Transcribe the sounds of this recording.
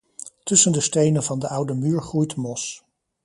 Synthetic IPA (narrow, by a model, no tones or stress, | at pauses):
tɵsəndəstejnənvɑndəʔʌwdəmyːɹχrujtmɔs